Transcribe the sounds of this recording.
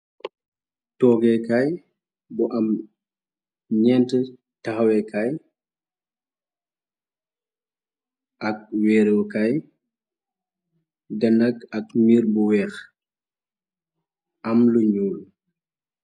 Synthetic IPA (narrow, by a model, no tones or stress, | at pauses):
tɔːɡɛkɐj | buʔɐm | ɲɛntə | tɐxɐwɛkɐj | ʔɐk̚wɛːɾəkɐj | dɐnɐkɐk̚miːɾbuwɛːx | ʔɐmluɲuːl